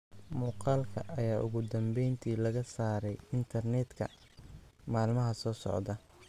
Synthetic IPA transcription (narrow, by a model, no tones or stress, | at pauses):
muːqɑːlkʰɐ̰ʔɐjaːʔʊ̰ɣʊd̪ɐmbɛjnt̪ʰiːlɐɣɐsaːɾɛjɪnt̪ʰɐrnɛːd̪kʰɐ̰ | maːlmɐɦɐsɔːsɔ̰ʕd̪ɐ